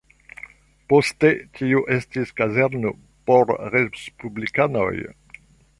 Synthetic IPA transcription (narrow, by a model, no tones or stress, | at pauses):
po̞stetiuʔestiskazeɾno | po̞ɾɾespublikano̞̰j